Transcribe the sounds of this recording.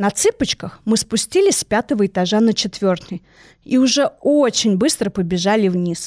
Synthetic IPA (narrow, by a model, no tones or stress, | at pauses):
nɐt̪sɨpət͡ɕkəxmɨspʊsʲtʲilʲɪsʲpʲat̪əvəɪt̪aʐanət͡ɕɪt̪vʲort̪ɨj | iʊʐɛot͡ɕɪnʲbɨst̪ɾəpəbʲɪʐalʲɪvnʲis